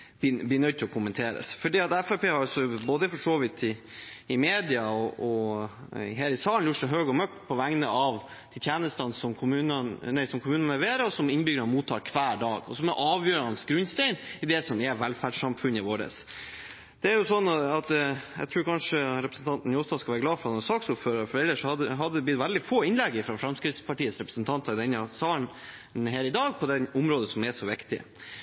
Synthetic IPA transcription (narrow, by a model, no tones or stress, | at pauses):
bliːnœʏd̪̚t̪ʰɪlɔkʰʊmːənt̪ʰeːɾə̰sfɔɖiːɑt̪ɛfæpeːhɑɾɑlsɔboːd̪əfɔʂoːʋɪt̪ʰɪːmeːd̪ɪɑɔɔ | ɦeːɾɪsɑːlənjʊʈʂɛɦøːɡɔmœk̚t̪pʰɔʋæŋnəʔɑʋ | d̪̥ʰɛt̪ʰjæːnəst̪ɑnsɔmkʰʊmʉːnənnæɪsɔmkʰʊmʉːnənlɛʋeːɾəɔsɔmɪnbʏɡɾɑnmuːt̪ʰːɑ̰ːɾkʰʋæːɖɑːɡɔ̰sɔmɛʔɑːʋjøːɾɑnsɡɾʉnst̪ɛɪnɪd̪ɛsɔmɛʋælfæɖʂɑmfʉnːɪʋoːɾə̰s | d̪̥ɛæɾjʊsɔnːɑɑt̪jɛ̰ɡt̪ʰɾʉːɾkʰɑnʂəɾɛpɾəsnt̪ʰɑnt̪n̩jɔːst̪ɑskɑʋæːɾəɡlɑːfɔɾɑd̪ɛnsɑːksʊpføːɾəɾfɔɾɛlːəʂɔhɑd̪ɦɑd̪əd̪ɛb̪ʏt̪ʋæld̪ɪfoːɪnlɛɡːɪfɾɑfɾɑmskɾɪt̪spɑʈiːət̪sɾɛpɾə̥snt̪ʰɑnt̪ɑɾd̪ɪnːɑsɑːəɳ | nheːɾɪd̪ɑːɡ̚pʰɔd̪ɛnʊmɾoːd̪əsɔmɛʂɔʋɪkt̪ɪ̰